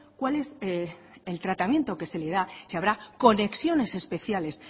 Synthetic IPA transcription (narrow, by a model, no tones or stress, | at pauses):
kwale̞s | elt̪ɾat̪amjẽ̞nt̪o̞ke̞se̞le̞ð̞asiaβ̞ɾako̞ne̞ksjo̞ne̞se̞spe̞θjale̞s